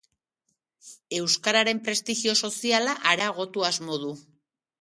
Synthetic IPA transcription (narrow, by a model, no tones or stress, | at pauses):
e̞wskaɾaɾe̞mpɾe̞st̪iɣio̞so̞sialaʔaɾaɣ̞o̞t̪uazmo̞ðu